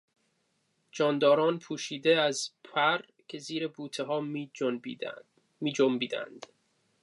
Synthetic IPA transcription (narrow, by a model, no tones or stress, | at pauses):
d͡ʒɒːnd̪ɒːɾɒːnpʰuːʃiːd̪eæzpʰæɾ | kʲʰe̞ziːɾebuːt̪ʰeɦɒː | miːd͡ʒombiːd̪æ̰nd̪̥